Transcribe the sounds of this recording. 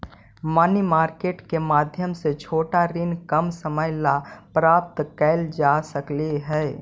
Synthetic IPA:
mənimaːɾkeːʈkemaːd̪ʱjəmset͡ʃʰoːʈaɾɪnkəmsəməɪlapɾaːp̚t̪kɛɪld͡ʒasəkleɦɛː

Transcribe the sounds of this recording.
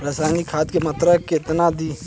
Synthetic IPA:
ɾaːsaːnikʰaːt̪kemɐt̪ɾəket̪nad̪iː

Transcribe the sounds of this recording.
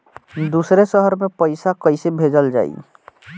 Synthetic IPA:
d̪usɾesəɦəɾmepəɪsakəjsebʱed͡ʒəld͡ʒa̰ːḭ

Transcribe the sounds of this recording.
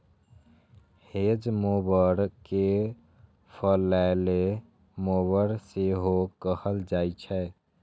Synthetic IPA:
hed͡ʒmobəɾke | pʰəlale | mobəɾseɦokəhəld͡ʒajt͡ʃʰɛ

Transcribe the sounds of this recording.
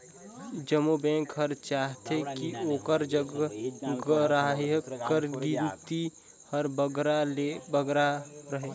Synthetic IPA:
d͡ʒəmubɛ̃ːŋkɦəɾt͡ʃaːɦt̪ekioːkəɾd͡ʒəɡɡɾaɦkəɾɡint̪i | həɾbəɡɾalebəɡɾaɾəɦe

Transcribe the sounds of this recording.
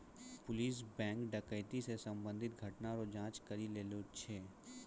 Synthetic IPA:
pʊliːs̬bɛ̃ːŋkɖəkəɪt̪isesɐ̃mbə̃nd̪ʱɪt̪̚ɡʱɐʈnaɾod͡ʒãːt͡ʃkɐɾileːlot͡ʃʰeː

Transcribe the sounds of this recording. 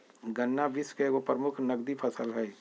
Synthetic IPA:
ɡənːaʋɪskeopɾəmʊkʰnɐɡd̪ipʰəsəlɦɛ

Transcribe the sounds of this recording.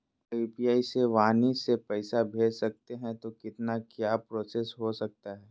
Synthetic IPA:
iːpijaːiseʋaːnisepɛɪsabʱeːd͡ʒsɐk̚t̪eɦɛ̃t̪okɪt̪nakjaːpɾoːsesɦosɐk̚t̪aɦɛː

